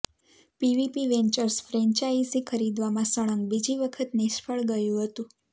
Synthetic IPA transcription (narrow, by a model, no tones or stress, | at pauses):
piʋipiʋɛɲt͡ʃəɾsfɾɛ̃ɲt͡ʃaisikʰəɾid̪ʋamãsəɭ̃əŋɡbid͡ʒiʋəkʰət̪nɪʃpʰəɭɡəjũɦət̪ũ